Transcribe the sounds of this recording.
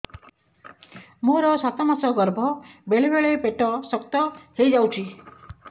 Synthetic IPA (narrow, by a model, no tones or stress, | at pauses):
moɾɔsat̪ɔmasɔɡɔɾbʱɔbeɭebeɭepeʈɔsɔkt̪ɔhejd͡ʒawt͡ʃʰi